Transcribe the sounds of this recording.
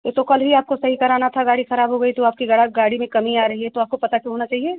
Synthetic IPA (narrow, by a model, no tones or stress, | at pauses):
et̪okɐlbiaːp̚kosɐɦikɐɾaːnat̪ʰaɡaːɽixɐɾaːbɦoɡɐit̪oaːp̚kiɡɐɽaɡaːɽimẽkɐmiaːɾɐɦiɦɛt̪oaːp̚kopɐt̪akʲjõɦoːnat͡ʃaːɦieː